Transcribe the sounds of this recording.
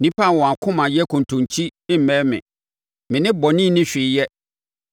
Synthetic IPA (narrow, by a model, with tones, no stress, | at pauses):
nĩ˦pʰa˦˨wɔ̃˨a˨kʰʊ̃˦mã˨jɛ˦kʰʊ̃˨n˨tʰʊ̃˨nt͡ɕʰi˦ɪ˦m̩˨mɛ̃˦mɪ̰̃˨ | mɪ̃˨nɪ̃˦bɔ˨nĩ˦˨nɪ̃˦ɕᶣɪ˨˦jɛ˦